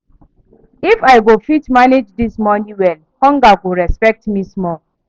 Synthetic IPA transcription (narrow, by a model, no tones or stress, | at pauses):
ifaɪɡofitmaned͡ʒdismɔnĩwɛl | hɔ̃ŋɡaɡuɾɛspɛk̚tmismɔ